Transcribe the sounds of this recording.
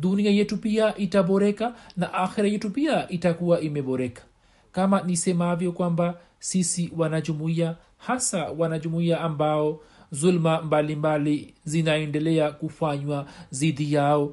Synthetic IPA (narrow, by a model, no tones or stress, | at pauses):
ɗuniajɛtupiaʔitaɓɔɾɛkanaʔaxiɾajɛtupiaʔitakuwaʔimɛɓɔɾɛkḁ | kamanisɛmavjɔkwamba | sisiwanaʄumuia | hasawanaʄumuiaːmbaɔzulmambalimbalizinaɛndɛlɛakufaɲwaziðijaɔ